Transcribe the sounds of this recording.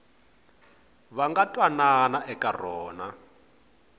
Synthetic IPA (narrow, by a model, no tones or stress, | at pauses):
βaŋɡatʼwananaʔɛkʼarɔːna